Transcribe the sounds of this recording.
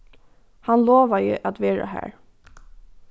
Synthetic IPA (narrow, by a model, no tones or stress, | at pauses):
hanloːʋajə̰ʔæt̪ʋeːɹa̰hæ̰ːɹ